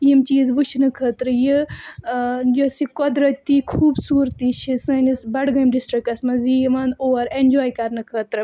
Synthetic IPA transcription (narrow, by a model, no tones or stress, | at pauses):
jimt͡ʃiːzʋut͡ʃʰnɨkʰəːt̪ɾɨji | d͡ʒosikɔd̪ɾɐt̪ːiːkʰuːbsuːɾt̪iːt͡ʃʰisɐnisbɐɽɡɐjmɖisʈɾik̚ɐsmɐzijiʋɐnoːɾend͡ʒɔːjkɐɾnɨkʰəːt̪ɾɨ